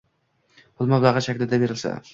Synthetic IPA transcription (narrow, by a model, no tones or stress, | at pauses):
bʰʊlˠmablˠaʁɨʃakʲlɪd̪abe̞ɾɪlsa̰